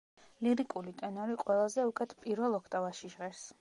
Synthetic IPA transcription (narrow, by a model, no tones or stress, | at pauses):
liɾikʼulit̪ʼɛnɔɾiqʼwɛlˠazɛukʼɛt̪ʰpʼiɾvɛlˠɔkʰt̪ʼavaʃiʃʁɛɾs